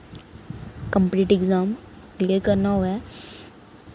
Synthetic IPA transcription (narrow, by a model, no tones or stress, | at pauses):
kə̃mpliːʈɪɡzaːm | kleːɾkəɾnaɦoɛː